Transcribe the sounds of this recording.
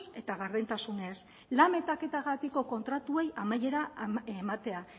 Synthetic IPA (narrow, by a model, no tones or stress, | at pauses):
e̞t̪aɣaɾðent̪asune̞s | lame̞t̪ake̞t̪aɣat̪iko̞ko̞nt̪ɾat̪ue̞jamaje̞ɾaemat̪e̞a